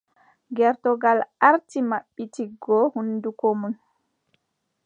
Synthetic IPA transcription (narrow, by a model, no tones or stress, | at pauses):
ɡɛɾtɔɡalʔaɾtimaɓːitiɡɔhundukomun